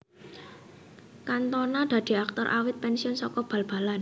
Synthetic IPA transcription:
kant̪ɔnad̪̥ä̤d̪̥i̤ak̚t̪ɔɾʔa̰wɪt̪̚pɛnsiʊnsɔkɔb̥a̤lb̥a̤lan

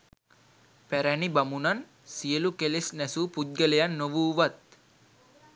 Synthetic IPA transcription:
pæɾænibamunan | sijəlukelesnɛsupud̪̚ɡəlejanːoʋuːʋat̪̚

